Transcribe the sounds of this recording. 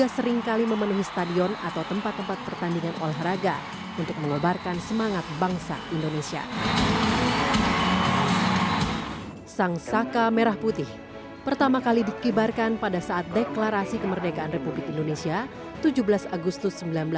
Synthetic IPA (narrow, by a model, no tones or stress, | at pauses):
asəɾɪŋkaliməmənuɦisə̥t̪adiɔnat̪awt̪əmpat̪ːəmpat̪̚pərt̪andiŋanʔolɛɦraɡa̰ | unt̪ʊk̚məŋəbarkansəmaŋat̪̚baŋsa̰ʔindonesia̰ | saŋsakameɾahput̪ɪh | pərt̪amakalidikibarkanpadasaʔat̪̚deklaɾasikəmərdeɡaːnrepublɪkindonesia | t̪ud͡ʒubəlasaɡust̪ʊsːəmbilanbəla